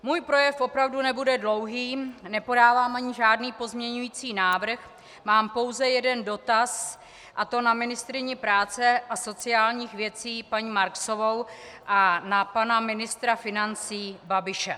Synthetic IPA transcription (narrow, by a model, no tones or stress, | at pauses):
muːjpɾo̞jɛfʔo̞pɾavdunɛbudɛdlo̞wɦiːnɛpo̞daːvaːmʔaɲɪʒaːdniːpo̞zmɲɛɲujiːt͡siːnaːvr̩x | maːmpo̞wzɛjɛdɛndo̞t̪as | ʔat̪o̞namɪnɪst̪ɾɪɲɛpɾaːt͡sɛʔaso̞t͡sɪaːlɲiːxvjɛt͡siːpaɲiːmaɾkso̞vo̞wʔanapanamɪnɪst̪ɾafɪnant͡siːbabɪʃɛ